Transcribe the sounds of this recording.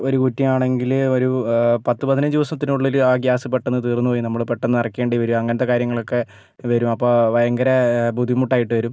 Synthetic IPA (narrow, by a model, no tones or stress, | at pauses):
o̞ɾukutːɐmaːɳe̞ŋɡilo̞ɾupɐt̪ːɨpɐðinɨd̪iʋɐsɐmt̪ːinuɭːilaːɡjaːsɐpeʈːenːɨt̪iːrnːupoːjinɐmːɐɭpeʈːenːɨɐrɐkːeːɳɖɐiʋɐɾuɐŋːɐnɐt̪ːɐkaːɾjɐŋːɐɭo̞kːe̞ | ʋɐɾumɐpːoːʋɐjɐŋɡɐɾɐbud̪ʱːimuʈːaːjiʈːɨʋɐɾum